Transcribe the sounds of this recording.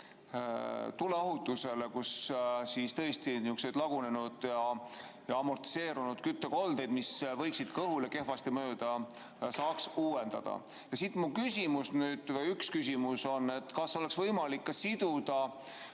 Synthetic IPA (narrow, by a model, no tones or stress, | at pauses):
t̪uleɑɦut̪ːˑuse̞le̞kussist̪ɤest̪iniukse̞d̪lɑɡ̥une̞nud̪̥jɑjɑɑmo̞rt̪i̥se̞ːɾunud̪̥kyt̪ːeko̞ld̪̥e̞jd̪misvɤjksid̪̥kɤɦuleke̞hvɑst̪imøːd̪̥ɑ | sɑːksuːe̞nd̪̥ɑ̰d̪̥ɑ̰ | jɑsit̪ːˑmukysʲimusnyːd̪̥vejykskysʲimuso̞nːe̞t̪ːˑkɑso̞leksvɤjmɑlikːɑsid̪̥ud̪̥ɑ